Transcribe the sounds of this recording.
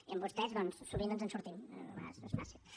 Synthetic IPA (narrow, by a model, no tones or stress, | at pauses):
iəmbust̪ɛzðɔnsːuβind̪ɔnzənsuɾt̪imnṵma̰zəzma̰si